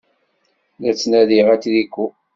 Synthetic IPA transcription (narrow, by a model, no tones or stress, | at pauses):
læt͡sːnæðiʁæt͡sðikʷːu